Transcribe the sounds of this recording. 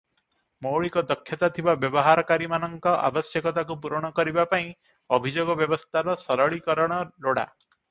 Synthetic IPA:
mowɭikɔd̪ɔkʰːjɔt̪at̪ʰibabjɔbɔɦaɾɔkaɾimanɔŋkɔʔa̰bɔsjɔkɔt̪akup̬uɾɔɽ̃ɔkɔɾibapaĩ | ɔbʱid͡ʒoɡɔbjɔbɔst̪ʰaɾɔsɔɾɔɭikɔɾɔɽ̃ɔloɽa̰

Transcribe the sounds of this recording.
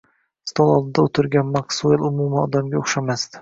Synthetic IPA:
st̪olˠɒlˠd̪ɪd̪aot̪ʰɪɾɡʲanmaksoelˠʊmumaɒd̪amɡʲaoχʃamast̪ɪ̥

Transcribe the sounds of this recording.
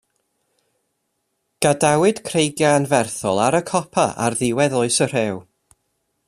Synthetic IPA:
ɡ̥adawɨd̥kʰrejɡjaənvɛrθɔlˠaɾəkʰɔpʰa̰ʔa̰rðɪwɛðʊɨsər̥ɛw

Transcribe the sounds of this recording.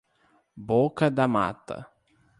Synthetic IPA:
bokɐd̪ɐma̰t̪ɐ̰

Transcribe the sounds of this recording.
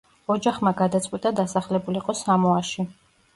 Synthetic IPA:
ɔd͡ʒaχmaɡad̪at̪sʼwit̪ʼad̪asaχlɛbuliqʼɔsamɔaʃi

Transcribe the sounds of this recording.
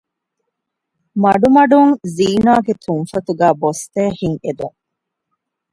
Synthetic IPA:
mɐɖumɐɖuŋziːnaːɡet̪ʰuŋfɐt̪uɡæːbost̪eːhiŋed̪uŋ

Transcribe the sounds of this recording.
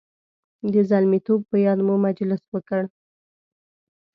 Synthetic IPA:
d̪əzalmit̪ob̚pəjɑd̪mumad͡ʒlɪswəkəɽ

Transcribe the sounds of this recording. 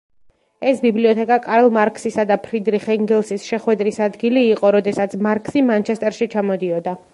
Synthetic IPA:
ɛsbibliɔt̪ʰɛkʼakʼaɾɛlˠmaɾkʼsisad̪apʰɾid̪ɾiχɛŋɡɛlˠsisʃɛχwɛd̪ɾisad̪ɡiliːqʼɔɾɔd̪ɛsat̪sʰmaɾkʰʼsimant͡ʃʰɛst̪ʼɛɾʃit͡ʃʰamɔd̪iɔd̪a

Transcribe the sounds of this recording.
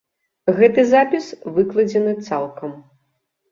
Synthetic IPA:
ɣɛt̪ɨzapʲisvɨklˠɐd͡zʲɛnɨt̪salˠkɐm

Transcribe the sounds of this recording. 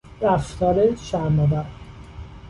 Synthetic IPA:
ɾæft̪ʰɒːɾeʃæɾmɒd̪æɾ

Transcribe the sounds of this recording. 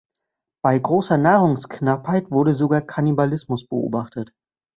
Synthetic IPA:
b̥aɪɡʁoːsɐnaːʁʊŋsknaphaɪtv̥ʊɐɾəzoɡaːɐkʰanibalɪsmʊsb̥əʔo̰ːbaχtət

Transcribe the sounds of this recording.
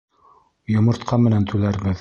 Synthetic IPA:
jŏmɤ̆ɾt̪qʰɑmɘ̆nænt̪ʰʉlæɾbɘð

